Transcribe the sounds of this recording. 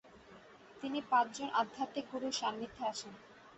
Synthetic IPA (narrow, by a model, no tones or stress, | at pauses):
t̪inipãt͡ɕd͡ʑonʔad̪ʱat̪ekuɾuʃanːit̪ʰːeaʃen